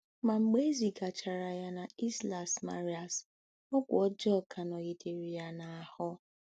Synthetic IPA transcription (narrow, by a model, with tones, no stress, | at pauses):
ma˨ŋ͡m̩˨ɡ͡be˦e˦zi˨ɡa˨t͡ʃa˨ɾa˨ja˦na˨i˦sla˨sma̰˦ɾi˦a˨s | ɔ˦kʷʊ˨ɔ˦d͡ʒɔ˦˨kʰa˨nɔ˨ɣi˨te˨ɾi˨ja˦na˨a˨hɔ˦